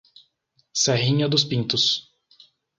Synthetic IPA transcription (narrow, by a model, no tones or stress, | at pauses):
sɛɦĩɲɐd̪ʊspĩnt̪ʊs